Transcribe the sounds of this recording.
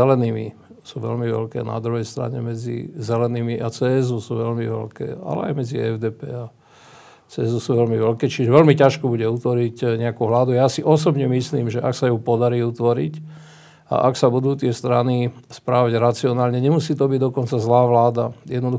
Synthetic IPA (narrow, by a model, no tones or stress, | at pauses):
ɛlɛniːmḭsuːʋɛ̰lmiʋɛ̰lkɛ̰ːna̰d̪ɾuɦɛjst̪ɾa̰ɲɛ̰mɛd͡zḭzɛlɛniːmiʔat͡sɛːɛzusuːʋɛʎmiʋɛ̰lkɛ̰ːa̰lɛ̰a̰jmɛd͡ziɛ̰vd̪ɛːpɛ̰ːa | t͡sɛːzusuːʋɛlmiʋɛlkɛːt͡ʃiʒɛʋɛlmicaʃkɔbuɟɛut̪ʋɔɾicɲɛakuɦlad̪ujaːsiʔɔsɔbɲɛmisliːmʒɛʔaksajupɔd̪aɾiːut̪ʋɔɾḭc | a̰ʔaksabud̪uːt̪ɪɛst̪ɾanispɾaːʋaɟɾat͡siɔnaːlɲɛɲɛmusiːt̪ɔbiɟd̪ɔkɔnt͡sazlaːʋlaːd̪ajɛd̪nɔd̪u